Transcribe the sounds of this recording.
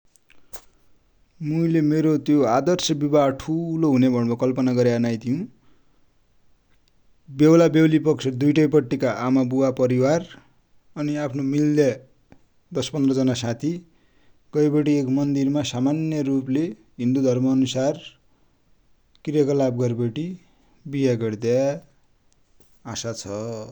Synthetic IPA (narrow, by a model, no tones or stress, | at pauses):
muilemeɾot̪joad̪ʌrsʌbibaʈʰuloɦunebʱʌɽbʌkʌlpʌnaɡʌɾjaʌnajt̪ʰijũ | bewlabewlipʌksʰʌd̪ujʈʌjpʌʈːikaʔamabuwapʌɾiwar | ʌniapʰnomilːjʌ | d̪ʌspʌnd̪rʌd͡zʌnasãt̪ʰi | ɡ̥ʌjbʌʈiekmʌnd̪irmasamanjʌruple | ɦind̪ud̪ʱʌrmʌːnusar | krijʌkʌlab̚ɡʌrbʌʈi | bijaɡʌɽd̪ja | asat͡sʰʌ